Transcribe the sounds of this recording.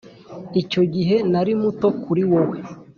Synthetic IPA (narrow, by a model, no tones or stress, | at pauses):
ico̞ɟiɦe̞naɾimuto̞kʰuɾiwowe